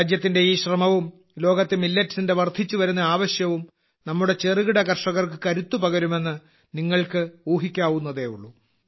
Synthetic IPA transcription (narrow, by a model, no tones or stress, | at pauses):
d͡ʑjɐt̪ːinde̞iːɕrɐmɐʋum | lo̞ːɡɐt̪ːemilːɐtːsinde̞ʋɐrd̪ʱit͡ɕːuʋɐɾunːɐaːʋɐɕjɐʋum | nɐmːuɽe̞t͡ɕe̞rɨɣiɽɐkɐrʂɐɣɐrkɨkɐɾut̪ːupɐɣɐɾume̞nːɨ | niŋːɐɭkɨuːɦikʲːaːʋunːɐðe̞ːuɭːu